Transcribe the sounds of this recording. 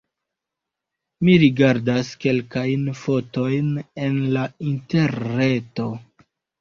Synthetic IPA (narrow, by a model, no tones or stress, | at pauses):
miɾiɡaɾdaske̞lkajnfo̞to̞jne̞nlainteɾnːe̞to̞